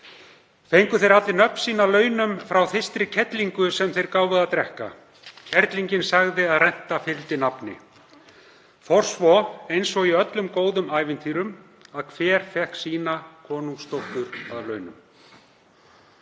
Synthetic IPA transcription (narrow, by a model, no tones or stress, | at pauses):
θejŋkʏθejɾat̪lɪnœpn̥siːnalœːɥnʏmfɾawθɪst̪ɾɪcʰɛt̪liŋkʏsɛmθejɾkaːwvʏðat̪ɾɛhka̰ | cʰɛɾt̪liɲcɪnsaɣðɪaðrɛn̥t̪afɪlt̪ɪnapnɪ̰ | fɔr̥svɔejnsɔɣiœt̪lʏmkoːwðʏmaːjvɪnt̪ʰiːɾʏm | aðkʰvɛːɾ̥fɛhksiːnakʰɔːnuŋst̪owht̪ʏɾ̥aðlœːɥnʏ̰m